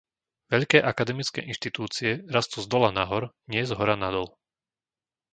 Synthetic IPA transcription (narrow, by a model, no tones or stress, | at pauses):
ʋɛʎkɛːʔakad̪ɛmit͡skɛ̰ːʔinʃt̪it̪uːt͡siɛɾast̪uzd̪ɔlanaɦɔɾɲɪɛzɦɔɾanad̪ɔl